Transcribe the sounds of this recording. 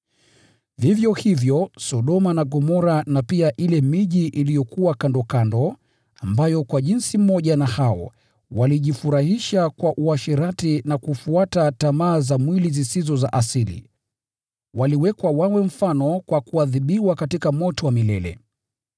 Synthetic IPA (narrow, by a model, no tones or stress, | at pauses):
vivjɔhivjɔsɔɗɔmanaɡɔmɔɾanapiaʔilɛmiʄiʔilijɔkuwakandɔkandɔ | ambajɔkwaʄinsim̩mɔʄanahaɔ̰ | waliʄifuɾahiʃakwaʔuaʃiɾatinakufuatatamaːzamwilizisizɔzaʔasilḭ | waliwɛkwawawɛm̩fanɔkwakuaðiɓiwakatikamɔtɔwamilɛlɛ̰